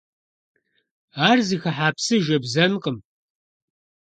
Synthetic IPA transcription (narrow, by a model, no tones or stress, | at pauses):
aːrzixɐħaːpsɨʒɐbzɐnqəm